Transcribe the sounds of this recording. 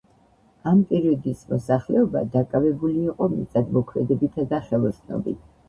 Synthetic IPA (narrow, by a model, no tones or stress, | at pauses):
ampʼɛɾiɔd̪ismɔsaχlɛɔba̰d̪akʼavɛbuliːqʼɔmḭt̪ʼad̪mɔkʰmɛd̪ɛbit̪ʰad̪aχɛlˠɔsnɔ̰bḭt̪ʰ